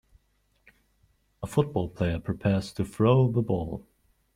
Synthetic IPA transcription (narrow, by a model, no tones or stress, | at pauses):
əfʊt̚b̥ɔlˠpʰl̥eɪəpʰɹ̥ipʰɛɹz̥tʰɨfɹoʊðəbɔ̰lˠ